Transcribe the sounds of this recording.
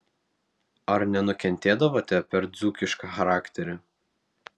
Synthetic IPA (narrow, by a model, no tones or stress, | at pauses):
ɐɾnʲɛnʊkʲɛnʲt̪ʲeːd̪ɐʋoːt̪ʲɛpʲɛɾd̪zukʲɪʃkɐxɐɾɑːkʲt̪ʲɛɾʲɪ